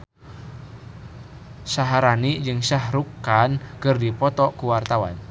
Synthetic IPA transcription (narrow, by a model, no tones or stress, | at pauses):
saɦaɾanid͡ʒɨŋsaɦɾukankɨrdipɔt̪ɔkuwart̪awa̰n